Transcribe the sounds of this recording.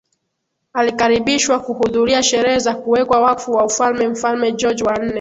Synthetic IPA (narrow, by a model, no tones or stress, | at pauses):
alikaɾiɓiʃwakuhuðuɾiaʃɛɾɛhɛzakuwɛkwawafuwaufalmɛm̩falmɛd͡ʒɔd͡ʒwan̩nɛ